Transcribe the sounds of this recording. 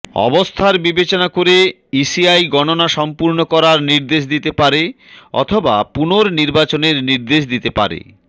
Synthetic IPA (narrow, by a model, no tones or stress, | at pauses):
ɔ̰bost̪ʰaɾbibet͡ɕonakoɾe | isiajɡɔnonaʃɔmpuɾnokɔɾaɾniɾd̪eʃd̪it̪epaɾe | ɔ̰t̪ʰobapunoɾniɾbat͡ɕoneɾniɾd̪eʃd̪it̪epa̰ɾḛ